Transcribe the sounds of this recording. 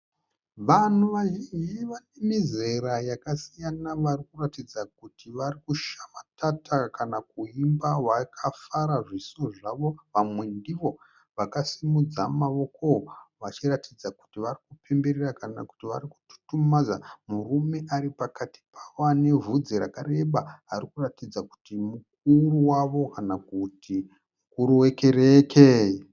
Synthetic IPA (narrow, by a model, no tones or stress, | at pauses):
ʋan̤uʋaʒind͡ʒiʋane̞mize̞ɾajakasijanaʋarikuratid͡zak̚utiʋarikuʃamatʰatʰakanakuimbawakʰafaɾaʐisoʐaʋo̞ʋamwe̞ndiʋo̞ | ʋakasimud͡zamaʋo̞kooʋat͡ʃiratid͡zaku̥tiʋarikupʰe̞mbe̞ɾerakana̰ku̥tiʋa̰ɾiku̥tu̥tumad͡zamurume̞ʔaɾipakati̥pʰḁwane̞vʱud͡ziɾa̰kare̞ɓaɦarikuratid͡zaku̥timuk̚uruwaʋo̞kanakuti | mukuɾuweke̞reke